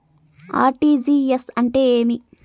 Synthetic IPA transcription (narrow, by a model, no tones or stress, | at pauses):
a̰ːɾʈiːd͡ʒiːesɐɳʈe̞ːeːmi